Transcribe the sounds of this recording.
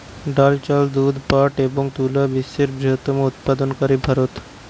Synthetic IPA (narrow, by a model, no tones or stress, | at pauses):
ɖalt͡ɕald̪ud̪ʱpaʈeboŋɡt̪ulaʋiseɾbɾiɦət̪ːəmout̪̚pad̪ənkəɾibʱaɾut̪